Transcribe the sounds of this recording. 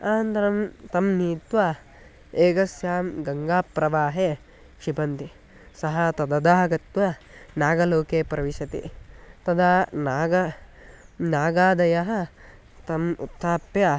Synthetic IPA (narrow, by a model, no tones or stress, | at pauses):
aːnt̪ɐɾɐmt̪ɐmniːt̪ʋɐ | eːɡɐsjaːmɡɐŋɡaːpɾɐʋaːɦeː | ʃibɐnt̪i | sɐɦɐt̪ɐd̪ɐd̪aːɡɐt̪ʋɐ | naːɡɐloːkeːpɾɐʋiʃɐt̪ḭt̪ɐd̪ʱaːnaːɡɐ | naːɡaːd̪ɐjɐɦɐ | t̪ɐmṵt̪ʰːaːpjɐ